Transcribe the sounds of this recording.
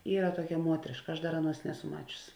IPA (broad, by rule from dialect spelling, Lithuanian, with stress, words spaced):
ˈiːrɐ ˈtuɔkʲɛ ˈmuɔtʲrʲɪʃkɐ ˈɐʃ ˈdɐr ˈɑːˌnuɔs ˈnʲæːˌsʊ ˈmɑːt͡ʃʲʊs